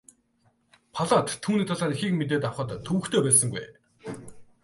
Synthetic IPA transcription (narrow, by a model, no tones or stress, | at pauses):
pʰaɮaːt̪ʰːuːniːt̪ʰaɮaːnixiːkmet̪̬eːt̪awχə̆t̪ʰːuwɘ̆xt̪ʰeːpæːsə̆ŋɡṵj